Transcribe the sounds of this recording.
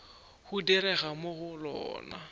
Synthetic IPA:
hudɛɾɛɣamoɣʊlɔ̰ːna̰

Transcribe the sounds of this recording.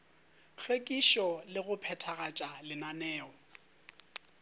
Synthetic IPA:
k͡xʰwekʼiʃɔlɪɣʊpʰɛtʰaɣat͡ʃʼalɪnanɛːɔ

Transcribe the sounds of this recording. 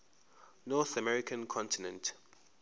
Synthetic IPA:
nɔθəmɛɹikʰə̃nkʰɔ̃ntinə̃nt

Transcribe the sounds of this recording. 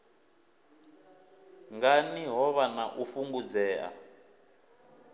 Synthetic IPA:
ŋɡaniɦɔβanaʔufuŋɡud͡zɛːʔa̰

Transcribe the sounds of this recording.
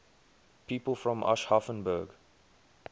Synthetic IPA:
piːpəlˠfɹɔ̃mʔa̰ʃhafə̃nbəːɡ

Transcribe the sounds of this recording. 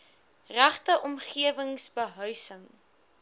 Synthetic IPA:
ræχtəʔɔmχiəvəŋsbəɦœɥsəŋ

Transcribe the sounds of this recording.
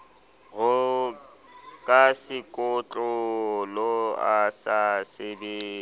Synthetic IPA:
ɣʊ | kʼasɪkʼʊt͡ɬʼʊlɔasasɪdɪ

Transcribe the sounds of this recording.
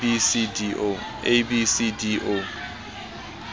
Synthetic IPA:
isid | ebisidiʔo

